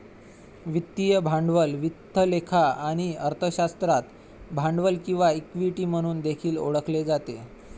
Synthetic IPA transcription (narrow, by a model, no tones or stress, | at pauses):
ʋit̪ːijəbʱaɳɖʋəlʋit̪ːəlekʰaaɽ̃iəɾt̪ʰəɕast̪ɾat̪ | bʱaɳɖʋəlkĩw̃ʋaikʋiʈiːm̤əɽ̃uːnd̪ekʰiːlo̰ɽəkled͡zat̪e